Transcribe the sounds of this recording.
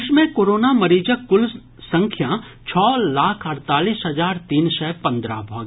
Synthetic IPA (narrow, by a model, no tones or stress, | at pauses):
ʃmẽkoːɾoːnamɐɾiːd͡ʒəkːʊl | sə̃ŋkʰjã | t͡ʃʰɔːlaːkʰɐɾt̪aːliːsɦɐzaːɾt̪iːnsɛːpɐ̃nd̪ɾa̰bʱɔːɡ